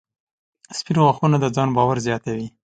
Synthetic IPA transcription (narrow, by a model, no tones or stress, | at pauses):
spiɾɣaxunad̪əd͡zɑnbɑwaɾzjɑt̪awi